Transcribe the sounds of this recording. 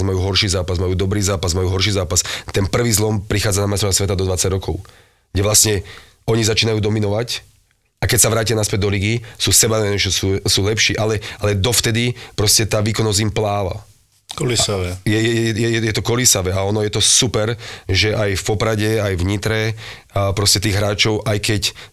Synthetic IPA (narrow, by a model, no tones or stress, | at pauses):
zmajuːɦɔrʃiːzaːpazmajuːd̪ɔbɾiːzaːpazmajuːɦɔɾʃiːzaːpast̪ɛnpr̩ʋiːzlɔmpɾixaːd͡zanamajst̪ɾɔʋasʋɛt̪ad̪ɔd̪ʋat͡saɟɾɔkʰɔʊ | ɡ̥ɟɛʋlasɲɛ | ɔɲizat͡ʃiːnajuːd̪ɔminɔʋac | akɛcsaʋɾaːcianaspɛd̪d̪ɔliɡisuːsɛbanɛɛt͡ʃɔsuːsuːlɛpʃiːʔalɛalɛd̪ɔft̪ɛd̪ipɾɔscɛt̪aːʋiːkɔnɔzimplaːʋa̰ | kɔlisaʋɛjɛɛjɛɛjɛjɛjɛt̪ɔkɔlisaʋɛaɔnɔjɛt̪ɔsupɛɾʒɛʔajfpɔpɾaɟɛajvɲit̪ɾɛ | pɾɔscɛt̪iːɣɦɾaːt͡ʃɔʊʔajkɛc